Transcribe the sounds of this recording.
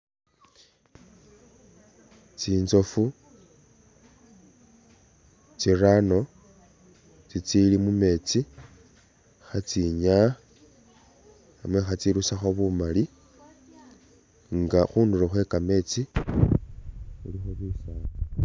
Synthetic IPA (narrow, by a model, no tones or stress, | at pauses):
t͡siːnzo̞fu | t͡sirano̞ | t͡sit͡silimume̞t͡si | xat͡siɲa | mwe̞xat͡siɾusaxoβumali | ŋɡaxuːnduroxwe̞kame̞ːt͡si | xulixoβisaːna